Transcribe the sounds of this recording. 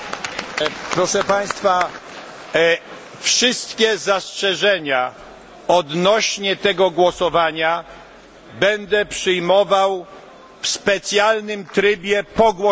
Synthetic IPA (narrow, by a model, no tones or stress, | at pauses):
pɾɔʂɛpaj̃st̪fa | fʂɪst̪kʲɛzastʂɛʐɛɲa | ɔd̪nɔɕɲɛt̪ɛɡɔɡwɔsɔvaɲa | bɛnd̪ɛpʂɘjmɔvaw | fspɛt̪sʲjalnɘmt̪ɾɘbʲjɛpɔɡwɔ